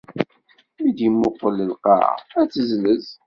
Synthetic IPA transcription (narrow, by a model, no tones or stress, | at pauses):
mid̪imːʊqːəlːəlqɑ̰æt͡sːəzləz